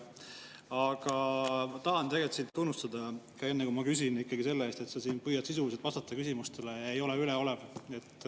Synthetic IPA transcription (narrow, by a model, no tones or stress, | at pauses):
ɑɡ̥ɑmt̪ɑɦɑnt̪e̞ɡelt̪sint̪ːunːust̪ɑd̪ɑkɑe̞nːekumɑkys̬inikːɑɡise̞lːeeːst̪e̞t̪sɑsiːnpɯjɑt̪sis̬uliset̪vɑst̪ɑt̪ːˑɑkysimust̪e̞le̞jɑejo̞leylɛo̞lɛve̞t̪ː